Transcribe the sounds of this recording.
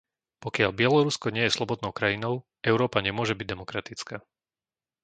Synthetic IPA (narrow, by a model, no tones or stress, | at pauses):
pɔkɪaʎbɪɛlɔɾuskɔɲɪɛjɛslɔbɔd̪nɔʊkɾajinɔʊ | ɛʊɾɔːpaɲɛmʊɔʒɛbiɟ̚d̪ɛmɔkɾat̪it͡skaː